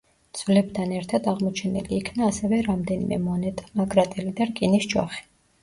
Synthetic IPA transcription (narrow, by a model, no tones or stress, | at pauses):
d̪z̥vlɛb̚t̪ʰanɛɾt̪ʰad̪aʁmɔt͡ʃʰɛnɛ̰liːkʰnaːsɛvɛɾamd̪ɛnḭmɛ̰mɔnɛt̪ʼnakʼɾat̪ʼɛlid̪aɾkʼinist͡ʃʼɔ̰χi̥